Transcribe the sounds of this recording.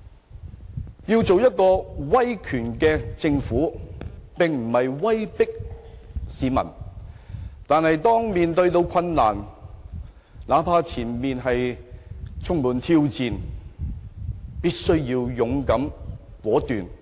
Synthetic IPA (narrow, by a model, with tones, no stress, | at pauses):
jiː˧wt͡so˨wjɐ˥t̚kɔː˧wɐ˥jkʰyː˨˩nkɛː˧t͡sɪ˧ŋfuː˨˥pɪ˨ŋm̩˨˩hɐ˨jwɐ˥jpɪ˥k̚ | siː˨˥mɐ̰˨˩n | t̪aː˨nhɐ˨jt̪ɔː˥ŋmiː˨nt̪ɵ˧ɥt̪o˨˧wkʰɐ˧nːa̰ː˨˩n | laː˨˥pʰaː˧t͡sʰiː˨˩nmiː˨nɦɐ˨j | t͡sʰʊ˥ŋmuː˨˩nt̪ʰiː˧wt͡siː˨n | piː˥t̚sɵ˥ɥjiː˧wjʊ˨˧ŋkɐ˨˥mwɔː˨˥t̪yː˨n